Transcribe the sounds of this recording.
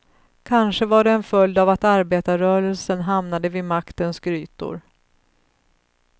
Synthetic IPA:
kʰanʂəvaɖɛɛnfœljd̪avat̪aɾbeːt̪aɾœːɾəlsənɦamnad̪əvɪmakt̪ənsɡɾyːt̪ʊ̰ɾ

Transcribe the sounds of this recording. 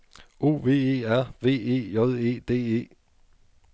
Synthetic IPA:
o̝ːʋe̝̰ːe̝̰ːæɐ̰ʋe̝̰ːe̝̰ːɔðˠe̝̰ːd̥e̝̰ːe̝̰ː

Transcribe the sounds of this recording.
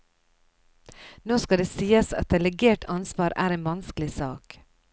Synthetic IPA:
noːskɑd̪eːsiːəsɑ̰t̪̚d̪ɛlɛɡeːʈʰɑnsʋɑːɾæ̰ːɾeːnʋɑnsklɪsɑːk

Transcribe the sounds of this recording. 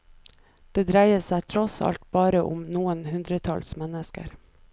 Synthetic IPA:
d̪̥eːd̪ɾæɪəsæɪt̪ʰɾɔsɑ̰lt̪̚bɑːɾəʔʊmnuːənhʉnd̪ɾət̪ʰɑ̰lsmɛnəskə̰ɾ

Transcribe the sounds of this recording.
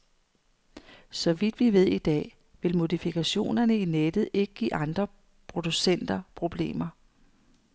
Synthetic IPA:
sɒ̽ʋid̥ʋiʋe̝ð̞̰ˠid̥ɛ̰ː | ʋe̝lmo̝ðˠifikʰæɕo̝̰ːnɐnəined̥ð̞̩ˠe̝ɡ̥əɡ̥ḭːɑ̈nd̥ʁɐ | pʰʁo̝d̥usen̰d̥ɐpʰʁo̝b̥le̝̰ːmɐ

